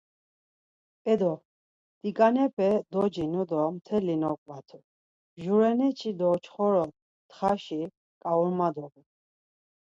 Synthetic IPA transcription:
ɛd̪ɔ | d̪̥ikʼanɛpʰɛd̪ɔd͡ʒinud̪ɔmt̪ʰɛlinɔkʼvat̪ʰu | ʒuɾɛnɛt͡ʃʰid̪ɔt͡ʃʰχɔɾɔt̪ | t̪χaʃi | kʼauɾmad̪ɔɡu

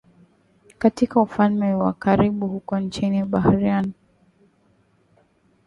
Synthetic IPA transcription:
katikaufalmɛwakaɾiɓuhukɔnt͡ʃiniɓahɾian

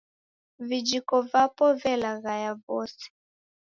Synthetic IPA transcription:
vid͡ʒikɔvapɔvɛlaɣajavɔsɛ̥

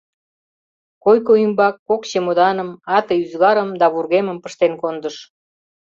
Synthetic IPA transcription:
kojkoymbɑkːokt͡ɕemod̪ɑnəmɑt̪əjyzɣɑɾəmd̪ɑβurɣeməmpəʃt̪enkond̪əʃ

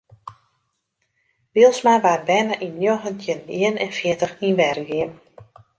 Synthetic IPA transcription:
ʋiəlˠsmaʋarbɛnəʔinjoɣəntʰjəiənɛnfjɪətəxinʋɛrɡiəm

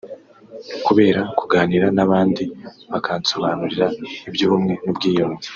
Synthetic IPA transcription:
nukuβe̞ːɾakuɡaːniɾanaβaːndiβakʰaːnso̞βaːnuɾiɾaibjuːβumŋe̞nubɡiːjomŋi

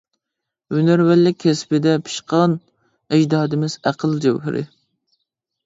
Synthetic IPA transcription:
ynæɾwælːɪkʲʰːɛspɪd̪ɛpʰɨ̥ʃqʰɑn | ɪd͡ʒd̪ɑːd̪ɪmɪz̥æqʰəlˠd͡ʒɛ̰wɦɪ̰ɾʔɪ̰

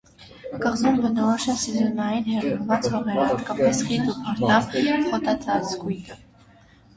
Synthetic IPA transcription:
kəʁzumbənɔɔʃɑsizɔnɑinhɛriɾvɑt͡shɔʁɛɾəɑt̪kɑpɛsχit̪upʰɑɾt̪ɑvχɔt̪ɑt͡sʰɑt͡sʰɡujt̪ʰə

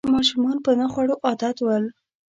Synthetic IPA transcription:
mɑʃumɑnpənaxwaɽoʔɑd̪at̪wəl

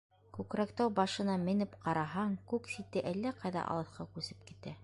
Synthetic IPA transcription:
kʉkɾækt̪æwbɑʃɤ̆nɑmɘ̆nɘpqɑɾɑɦɑŋkʉksit̪ɘʔælːæqɑjðɑ̰ʔɑ̰lˠɤ̆θqʰɑkʉsɘ̥p̚kit̪æ

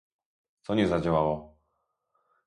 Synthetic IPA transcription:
sɔɲɛzad͡ʑawawɔ

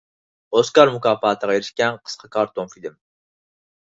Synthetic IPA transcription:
oskɑɾmukɑːpɑːt̪ʰəʁɑjeɾɪʃkʲɛnqʰə̥sqʰɑkʰɑɾt̪ʰomfid̪ɪm

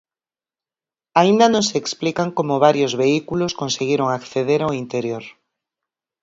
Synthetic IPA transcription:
aind̪anõŋseːksplikaŋkomʊβaɾjozβeikuloskonseɣiɾoŋakθeðeɾaoint̪eɾjoɾ

